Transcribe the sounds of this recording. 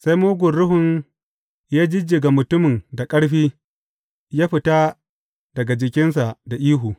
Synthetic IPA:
sa˦jmoː˦ɡʷʊ˨nɽʊ˦ɦʊ˨n | jaː˦d͡ʒɪ˦d͡ʒɪ˨ɡa˨mʊ˨tʊ˦mɪ˨nda˨kʼɐ˦ɽɸiː˦ | jaː˦ɸɪ˨ta˦ | dɐ˨ɡa˨d͡ʒɪ˨kʲɪ˦ns̬a˨ʔda˨ʔiː˦ɦuː˨

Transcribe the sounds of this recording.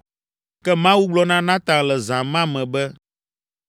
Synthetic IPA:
kɛ˦mã˦wu˦ɡ͡blɔ˦nã˦nã˦t̪ã˨lɛ˨zã˨mã˦mɛ̃˨bɛ˦

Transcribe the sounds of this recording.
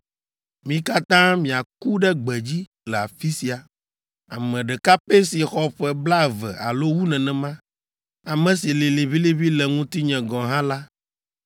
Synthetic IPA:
mĩ˦ka˦t̪ã˦mĩ˨a˨ku˦ɖɛ˦ɡ͡bɛ˨d͡ʑi˦ | lɛ˨a˨fi˦si˨a˨ | a˨mɛ̃˨ɖɛ˨ka˦pe˦si˨xɔ˦ɸɛ˦˨bla˦˨vɛ̰˨ʔa˨lo˦wu˦nɛ̃˨nɛ̃˨mã˦ | a˨mɛ̃˨si˨li˨li˨βi˦li˦βi˦lɛ˨ŋũ˦t̪i˦ɲɛ̃˨ɡɔ̃˨ɦã˦la˦

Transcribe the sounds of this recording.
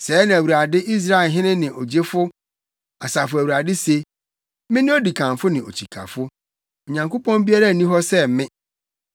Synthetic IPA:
sɛː˨˦nã˨æ˨wu˨ɾa˨dɪ˦ʔi˦s̬ɾa˦e˨lɦɪ̃˦nɪ̃˦nɪ̃˨ʔo˨d͡ʑe˦fʊ˦ | a˨sa˨fʊ˨æ˨wu˨ɾa˨dɪ˦se˨ | mɪ̃˦nɪ̃˦o˦di˨kʰã˨n˨fʊ˦nɪ̃˨o̰˨t͡ɕʰi˨kʰa̰˨fʊ˦ | o˨ɲã˨ŋko˦pʰɔ̃˦nbi˦a˦ɾa˦˨nĩ˦ɦɔ˦sɛ˦˨˦mɪ̃˦

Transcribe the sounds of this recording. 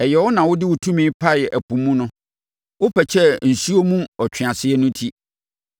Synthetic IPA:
ɛ˨jɛ˨wɔ˦nã˨wʊ˦dɪ˦wʊ˨tʰũ˦mĩ˦pʰa˦˨ɛ˨ʔæ˨pũ˨mːũ˦nʊ̃˦ | wʊ˦pʰɛ˨t͡ɕʰɛ˦n̩˨su˦o˦mũ˦ɔ˨t͡ɕᶣʰɪ˨a˨sɪ˦ɛ˦nʊ̃˦tʰi˦

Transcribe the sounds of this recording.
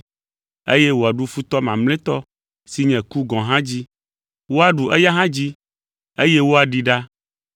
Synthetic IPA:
e˦jɛ˦wo˨a˨ɖu˦fu˦t̪ɔ˦mã˨mlẽ˦t̪ɔ˦ | si˨ɲɛ̃˨ku˦ɡɔ̃˨ɦã˦d͡ʑi˦ | wo˦a˦ɖu˨ʔɛ˦ja˦ɦã˦d͡ʑi˦ | e˦je˦wo˦a˨ɖi˨ɖa˦

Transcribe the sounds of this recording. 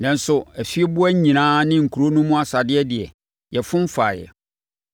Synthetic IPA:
nã˨n̩˦sʊ˨æ˨fi˦bʊ˦æ˦ɲ˦ɲĩ˨nãː˦nɪ̃˦ŋ̩˨kʰu˨ɾo˦nʊ̃˦mʊ̃˦a˦sa˨dɪ˦ɛ˦dɪ˨ɛ̰˨ | jɛ˨fʊ̃˦m̩˦fa̰ː˨jɛ̰˨

